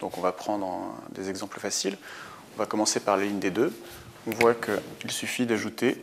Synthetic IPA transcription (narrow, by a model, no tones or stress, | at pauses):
d̪̥ɔ̃kɔ̃vapχɑ̃d̪ʁd̪ezɛɡzɑ̃pləfasil | ɔ̃vakɔmɑ̃sepaʁlaliɲd̪ed̪ø | ɔ̃vwakʰəilsyfid̪aʒut̪e